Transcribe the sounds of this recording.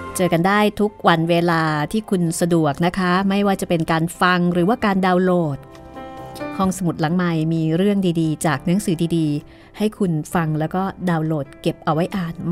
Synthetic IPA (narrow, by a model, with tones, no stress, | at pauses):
t͡ɕɤː˧ka˧ndaː˥˩jt̪ʰu˦˥k̚wa˧nweː˧laː˧t̪ʰiː˥˩kʰu˧nsa˧du˨˩ək̚na˦˥kʰa˦˥ma˥˩jwaː˥˩t͡ɕa˨˩pe˧nkaː˧nfa˧ŋɾɯː˩˦waː˥˩kaː˧ndaː˧wloː˧˥˩t̪̚ | kʰɔː˧˩ŋsa˧mu˨˩t̪̚la˩˦ŋma˨˧jmiː˧ɾɯ˥˩əŋdiː˧diː˧t͡ɕaː˨˩k̚nɯ˩˦əŋsɯː˩˦diː˧diː˧ | ha˥˩jkʰu˧nfa˧ŋlɛː˦˥wkɔː˥˩daː˧wloː˨˩t̪̚ke˨˩p̚ʔa˧wa˦˥jʔaː˨˩n